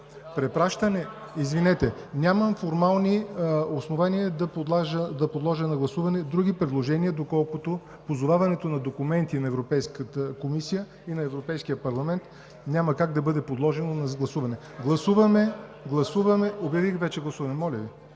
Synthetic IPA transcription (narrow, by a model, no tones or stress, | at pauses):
pɾɛpɾaʃt̪ɐnɛ | izvinɛt̪ɛ | nʲaməmfoɾmalˠniosnovaniəd̪ɐp̪aʒəd̪ɐpod̪lˠɔʒənɐɡlˠɐsuvɐnɛd̪ɾuɡipɾɛd̪lˠoʒɛniəd̪okɔlˠkot̪o | pozovavɐnɛt̪onɐd̪okʊmɛnt̪inɐɛvɾopɛjskət̪əkomisijə | inɐɛvɾopɛjskijəpɐɾlˠɐmɛnt̪ | nʲamɐkaɡ̚d̪ɐbɤd̪ɛpod̪lˠɔʒɛnonɐɡlˠɐsuvɐnɛ | ɡlˠɐsuvɐmɛɡlˠɐsuvɐmɛobʲjɐvixvɛt͡ʃɛɡlˠɐsuvɐnɛmɔlʲɐvi